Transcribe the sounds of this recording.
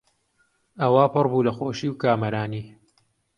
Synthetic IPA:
ɐwaːpɨrbuːlɐxoːʃiːwkaːmɐɾaːniː

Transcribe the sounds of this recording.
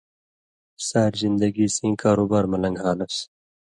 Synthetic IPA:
saːɾzind̪ɐɡisĩːkaːɾuːbaːɾmɐlɐŋɡɦaːlɐs

